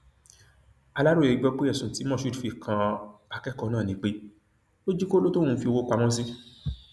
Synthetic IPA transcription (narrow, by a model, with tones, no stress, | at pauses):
a˧la˦ɾo˦˨e˨ɡ͡bɔ˧k͡pe˦ɛ˦˨sũ˨ti˨˦mɔ̃˦˨ʃu˧˦˨u˨fi˨kʰã˧a˨˧kɛ˦kɔ˧nãː˦˨nĩ˧˦k͡pe˦ | lo˦d͡ʒi˦ko˦lo˦to˦ũ˦fi˧o˧wo˧k͡pa˧mɔ̃˦s̬i˦